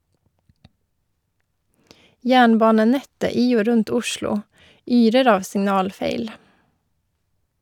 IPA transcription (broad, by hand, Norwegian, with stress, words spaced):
ˈjæːɳˌbɑːnəˌnɛtə ˈiː ˈoː ˈɾʉnt ˈʊʃlʊ ˈyːɾəɾ ˈɑːʋ sɪŋˈnɑːlˌfeɪl